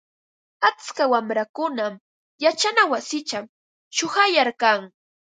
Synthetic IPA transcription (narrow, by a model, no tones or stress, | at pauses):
at͡skawamɾakʊnam | jat͡ʃanawasɪt͡ʃam | ʃʊhajaɾkaŋ